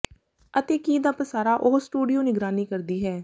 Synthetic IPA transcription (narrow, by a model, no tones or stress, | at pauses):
ət̪eːkiːd̪aːpəsaːɾaːʔoɦsʈuːɖijoːnɪɡɾaːniːkəɾd̪iːɦɛː